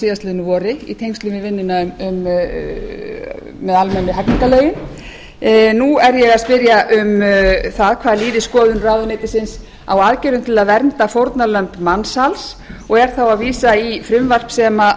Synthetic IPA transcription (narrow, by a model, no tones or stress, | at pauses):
iːast̪lɪnːʏvɔːɾɪḭt̪ʰejŋkst̪lʏvɪvɪnːɪnaʏmʏm | mɛðalmɛnːʏɦakniŋkaleːɥjɪn | nuɛɾjɛɣaðspɪɾjaʔʏmθaðkʰvaːðliːðɪskɔːðʏnraːwðʏneːt̪ɪsɪns | a̰waːðcɛːɾʏmt̪ʰɪlaðvɛɾnt̪afowɾt̪nalœmpmanshalsɔɣɛɾ̥θawaðviːsaifɾʏmvar̥psɛma